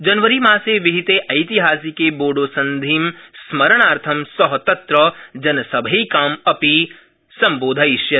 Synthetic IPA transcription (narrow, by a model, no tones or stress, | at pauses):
d͡ʒɐnʋəɾimaːseʋɪɦit̪eʔɐjt̪iɦaːsiːkeboːɖoːsɐ̃nd̪ʱiːmsmɐɾəɽ̃aːɾt̪ʰɐmsɐɦt̪ɐ̃t̪ɾɐd͡ʒɐnɐsɐbʱikaːmɐpi | sɐ̃mboːd̪ʱɐiʃjɐ